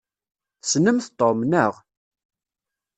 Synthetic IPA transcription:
snəmθt̪ˤːomnəʁ

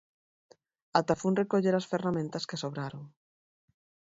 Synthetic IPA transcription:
at̪afunrekoʎeɾasferamẽnt̪ɐskesoβɾaɾoŋ

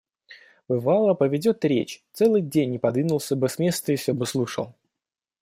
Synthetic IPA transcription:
b̥ɨvalˠəpəvʲɪdʲo̞t̪ɾʲḛt͡ɕt̪sɛlˠɨjdʲenʲːɪpɐd̪vʲinʊlˠsʲəbɨsʲmʲe̞st̪əɪfsʲobɨslˠuʂə̰lˠ

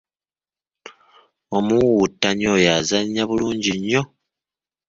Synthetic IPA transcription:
o̞muwutːaɲo̞jazaɲːaβuluːɲɟiɲːo̞

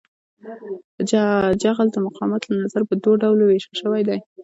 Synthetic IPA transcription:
ad͡ʒaɣld̪əmʊqʰɑmat̪lanazaɾpəd̪woɖawloweʃaʃəwajd̪aj

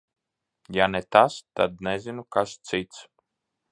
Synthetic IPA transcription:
janɛt̪ast̪ad̪̚nɛzʲinukast̪sit̪s

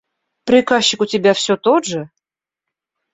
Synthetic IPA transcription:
pɾʲɪkaɕːɪkʊtʲɪbʲafsʲɵt̪oʐɨ

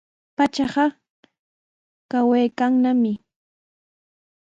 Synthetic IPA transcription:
pat͡ʃɑɢɑ | kawejkaŋnamɪ

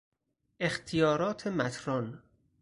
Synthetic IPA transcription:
ʔext̪ʰijɒːɾɒːt̪ʰemæt̪ʰɾɒn

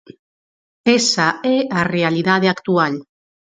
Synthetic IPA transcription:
esaearealiðað̞eakt̪ual

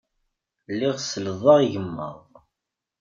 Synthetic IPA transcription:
lːiʁsələðˤɑʁiʝəmːə̰ðˤ

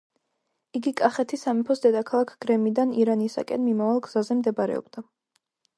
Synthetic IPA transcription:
iɡikʼaχɛt̪ʰisamɛpʰɔsd̪ɛd̪akʰalˠakʰɡ̥ɾɛmid̪aniɾanisa̰kʼɛnmimavalˠɡz̥azɛmd̪ɛbɾɛ̰ɔ̰b̥d̪̥a

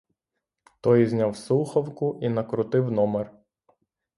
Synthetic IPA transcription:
t̪ɔjzʲnʲawsuxɐwkʊʔinɐkɾʊt̪ɪwnɔmɛr

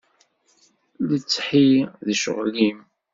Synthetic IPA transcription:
lət͡sːħiðʃə̰ʁlim

